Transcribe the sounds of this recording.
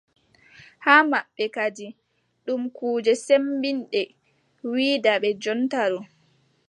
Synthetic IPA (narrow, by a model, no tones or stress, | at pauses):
haːmaɓːɛkad͡ʒi | ɗumkuːd͡ʒɛsembinɗɛ | wiːdaɓɛd͡ʒɔntaɾɔ